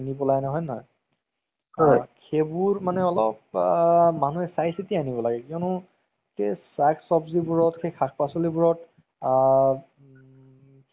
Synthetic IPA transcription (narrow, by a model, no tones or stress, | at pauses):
nibɔlajnɔɦɔjnɔɦɔj | ɔjkʰebuɹmanɛɔlɔp̚ | manuɛsajsitianibɔlaɡɛkiɔnʊ | kesaksɔbzibuɹɔtkʰejkʰak̚ʰpasɔlibuɹɔt